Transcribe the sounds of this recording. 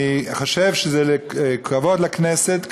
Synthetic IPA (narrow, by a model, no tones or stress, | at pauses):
iχoʃevʃezɛlekʰavotlakneset̪k